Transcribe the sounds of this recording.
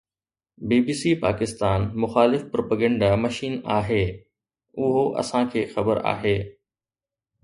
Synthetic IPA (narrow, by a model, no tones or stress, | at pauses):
biːbiːsiːpaːkɪst̪aːnmʊxaːlɪfpɾoːpəɡə̃ɳɖamɐʃiːnaːɦeː | ʊɦoʔɐ̰sãkʰeːxɐbəɾa̰ːɦeː